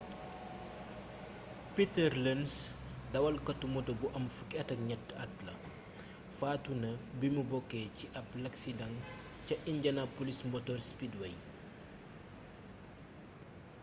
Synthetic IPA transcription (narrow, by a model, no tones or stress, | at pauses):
pitɛrlɛns | dɐwɐlkɐtumɔtobuʔɐmfukɛtɐk̚ɲɐtːɐtlɐ | faːtunɐbimubɔkːɛːciʔɐp̚lɐksidɐŋ | cɐʔiɲɟɐnapolismɔtɔrspidwɛj